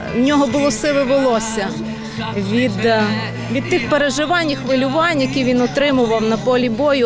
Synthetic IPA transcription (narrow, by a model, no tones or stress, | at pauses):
nʲɔɦɔbʊlˠɔsɪʋɪʋɪlˠɔsʲɐ | ʋʲid̪ | ʋʲid̪̚t̪ɪxpeɾeʒɪʋɑnʲxʋɪlʲʊʋɑnʲjɐkʲiʋʲinɔt̪ɾɪmʊʋɐwnɐpɔlʲibɔjʊ